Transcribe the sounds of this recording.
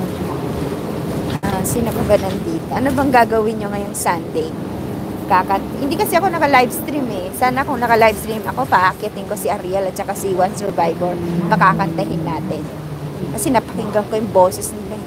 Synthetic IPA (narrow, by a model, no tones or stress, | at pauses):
ʔasɪnɐɡʊɡɐnɐnd̪iːt̪oʔɐnobɐŋɡaːɡɐwɪnɲoŋɐjʊŋsand̪ɛj | ɐkakɐhɪ̃nd̪ikɐsɛʔɐko̞nɐkɐlajbst̪ɾimɛsaːnɐkoŋnɐkɐlajbst̪ɾimɐko̞pɐʔakɪjɐt̪ɪŋko̞sɪʔɐɾiɐlɐt̪̚t͡ʃɐkasiwɐnsɛɹbajbɛɾpɐkakɐnt̪ɐɦɪnːaːt̪ɛn | kɐsɛnɐpɐ̥kɪŋɡɐŋko̞jʊŋboːsɛsnɪlɐ